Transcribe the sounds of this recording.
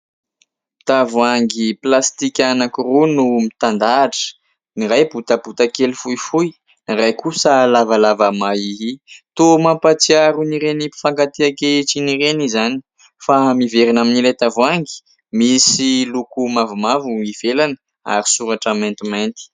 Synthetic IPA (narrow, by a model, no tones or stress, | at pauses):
t̪avuaŋɡiplast̪ikʲanakurunumit̪and̪aːʈ͡ʂə̥ | niɾajbut̪ab̥ut̪akelifujfuj | niɾajkusəlavalavamaiɦit̪omapat͡siaɾuniɾenipi̥faŋkat̪eakeiʈ͡ʂinirenizani̥ | famiveɾinaminilajt̪avuaŋɡi̥ | misilukumavumavuiv̥elanə̥ | a̰ɾisuɾaʈ͡ʂament̪iment̪i̥